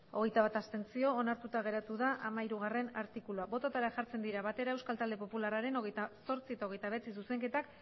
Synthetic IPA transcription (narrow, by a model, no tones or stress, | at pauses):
o̞ɣ̞e̞jt̪aβat̪ast̪e̞nt͡sio̞ːnaɾt̪ut̪aɣ̞e̞ɾat̪uðaʔamaiɾuɣ̞are̞naɾt̪ikuluabo̞t̪ot̪aɾaʝaɾt͡se̞nd̪iɾaβat̪e̞ɾae̞wskalt̪ald̪e̞popularaɾe̞no̞ɣejt̪aso̞ɾt͡siet̪ao̞ɣ̞e̞jt̪aβ̞e̞t͡sis̬use̞ŋke̞t̪ak